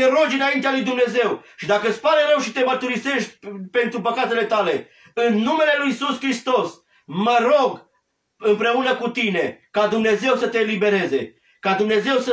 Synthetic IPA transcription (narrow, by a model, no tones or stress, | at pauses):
eɾo̞d͡ʒɨnaint̪ealujd̪umne̞ze̞wʃid̪akəɨt̪spaɾeɾəwʃit̪e̞mərt̪uɾise̞ʃt̪̚ʲpe̞nt̪ɾupəkat̪e̞le̞t̪ale̞ | ɨnːume̞le̞lujisuskɾist̪o̞s | məɾoɡ | ɨmpɾe̞unəkut̪ine̞kad̪umne̞ze̞wsət̪e̞ːlibe̞ɾe̞ze̞̰ | kad̪umne̞ze̞wsə